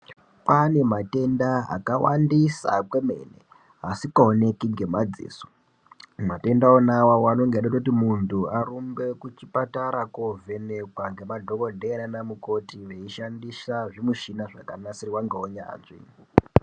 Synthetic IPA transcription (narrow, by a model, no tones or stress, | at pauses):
pane̞mate̞ndaa̰kawa̰ndisa̰kwe̞me̞̰ːnḛ | ɦasikaone̞kiŋɡe̞mad͡zḭːso̥ | mate̞ndaonawawano̞ŋɡeaɗatout̬imuntʰuaɾumbe̞kut͡ʃipataɾakovʱe̞nekwaŋɡe̞madʱo̞ko̞dʱeɾanamuko̞tiʋe̞iʃandisaʐimuʃinaʐakanasiriwaŋɡeoɲa̰nʐḭ